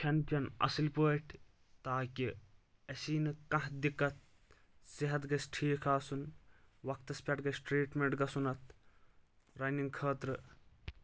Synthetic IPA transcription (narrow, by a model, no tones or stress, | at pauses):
kʰɐnt͡ʃɐnɐ̰silpoːʈʲʰ | t̪aːki | ɐsiːnɨkɐ̃ɦd̪ikɐt̪̚ | siɦɐt̪ɡɐsʈʰiːkʰaːsunwɐk̚t̪ɐspʲɐʈɡɐsʈɾiːʈmeɳʈɡɐsunɐt̪ | ɾɐniŋɡkʰɐːt̪ɾɨ